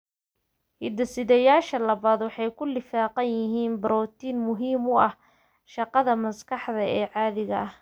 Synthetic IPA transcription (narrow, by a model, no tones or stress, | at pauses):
hɪd̪ɐsɪðɛjaːʃɐlɐβaːd̪wɑħɑjkʰʊlɪfaːqɑnjɪɦiːnbɐɾɔːt̪iːnmʊɦiːmʊɐh | ʃɑqɑðɐmɐskʰɑħd̪ɐɛːʕɑːðɪɣɐɐh